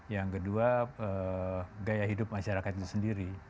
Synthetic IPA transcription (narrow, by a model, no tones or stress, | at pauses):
jaŋkəduaəɡajaɦidʊp̚maʃaɾakat̪̚it̪u̥səndiɾi